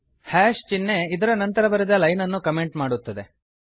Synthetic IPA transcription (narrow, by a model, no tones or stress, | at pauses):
haːʂt͡ʃinːe̞id̪ɐɾɐnɐnt̪ɐɾɐbɐɾid̪ɐlɐjnɐnːukɐme̞ɳʈmaːɽut̪ːɐd̪e